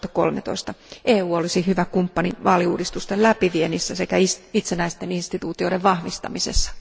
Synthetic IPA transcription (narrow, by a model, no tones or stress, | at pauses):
t̪ɑ̥ko̰lmet̪o̰ist̪ɑʔeːuːolisihyʋækumpːɑniʋɑːliuːdist̪ust̪elæpiʋienisːæsekæisit̪senæist̪eninst̪it̪uːt̪ioːdeʋʋɑhʋist̪ɑ̰misḛsːɑ̥